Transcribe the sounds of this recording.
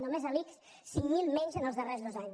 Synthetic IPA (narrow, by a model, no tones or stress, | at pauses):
nomezəliks | siŋmilˠmɛɲʲzənəlˠzðərezðozaɲ